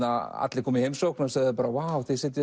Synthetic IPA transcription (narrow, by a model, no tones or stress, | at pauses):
aa̰t̪lɪkʰɔːmihejmsoknasaðɪɪpaːɾawawθesɪt̪ːjɪ